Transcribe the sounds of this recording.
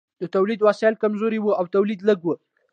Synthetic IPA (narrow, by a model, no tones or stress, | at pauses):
d̪̥ət̪awlid̪wɑslkamzoɾiwəawt̪awlid̪ləɡwə